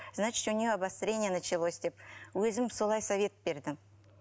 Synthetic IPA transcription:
znat͡ʃɪ̥t̪ʊnʲɪjoabast̪ɾʲe̞nʲɪjənət͡ʃɪlˠo̞sʲd̪e̞p̚wɵzɪmso̞lˠɑjsɐvʲe̞t̪be̞ɾd̪ɪ

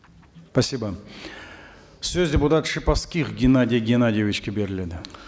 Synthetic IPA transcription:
pɐsʲibə | sʲøzʲdʲeput̪at̪ʂɨpafskʲixɡʲɪnadʲɪjɡʲɪnadʲɪjevʲit͡ʃkʲebʲeɾʲɪlʲed̪ɪ

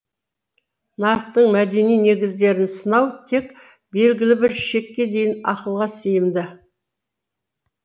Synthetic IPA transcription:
nɑɾəq̚t̪əɴmæd̪e̞nijne̞ɡʲɪzd̪e̞ɾɪnsənɑwt̪ʰe̞k | be̞lɡʲɪlɪbɪɾʃe̞kʲːe̞d̪e̞jɪnɑqəlˠʁɑsejɪmd̪ɪ

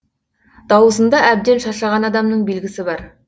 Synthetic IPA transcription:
d̪̥ɑwəzənd̪ɑʔæb̚d̪e̞nʃɑʃɑʁɑnɑd̪ɑmnəɴbe̞lɡʲɪsɪbɑɾ

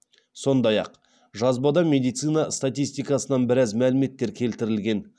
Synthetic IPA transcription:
so̞nd̪ɑjɑ̰q | ʒɑzbɑd̪ɑmʲe̞d̪ijt̪sɨjnɑst̪at̪ijst̪ijkɑsənɑnbɪɾæzmælɪme̞t̪ːe̞ɾkʲʰe̞lt̪ɪɾɪlɡʲe̞n

